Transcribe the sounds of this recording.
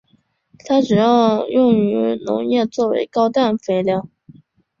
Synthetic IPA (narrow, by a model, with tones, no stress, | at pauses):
t̪ʰa˥ʈ͡ʂɻ̩˨˩jɑ˥˧ʊjʊ˥˩ŋy˧˥nʊ̰˧˥ŋjɛ˥˧t͡swɔ˥˩wḛ˧˥ɪkɑ˥ʊt̪a˥˩nfe˧˥ɪljɑ˧˥˦ʊ